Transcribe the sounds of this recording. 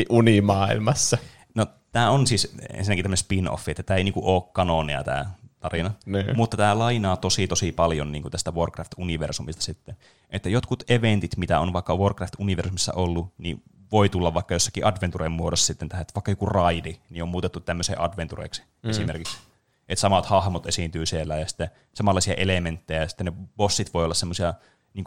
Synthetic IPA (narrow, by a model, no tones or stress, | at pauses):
iʔunimɑːilmɑsːɑ | no | t̪æːonsisḛnsinːækit̪æmːnsespino̰fːiet̪ːæt̪æːeiniːŋkuʔʔoːkkɑnonḛɑ̰t̪æ̰ːt̪ɑrinɑniːmut̪ːɑt̪æːlɑinɑːt̪osit̪osipɑljonniːŋkut̪æst̪æʋorkræft̪uniʋḛrsumist̪ɑ̥sit̪ːen | ʔet̪ːæjot̪kut̪eʋent̪it̪mit̪æonʋɑˑikːɑʋorkræft̪uniʋersumisːɑ̰ʔolːuni | ʋoit̪ulːɑʋʋɑˑikːɑjosːɑ̥kiʔɑdʋent̪uremmuodosːɑ̥sit̪ːent̪æhæet̪ːʋɑˑikːɑjokurɑidiniomuːt̪et̪ːut̪t̪æmːøsḛːʔɑ̰dʋent̪urḛˑiksi̥ | esimerkiks | et̪sɑmɑt̪hɑhmot̪esint̪yːsielːæjɑsi̥t̪ːe | sɑmɑlːɑˑisiɑ̰ʔelement̪ːejæjɑsi̥t̪ːneb̥osːit̪ʋoiolːɑssemːosiɑ | niːŋk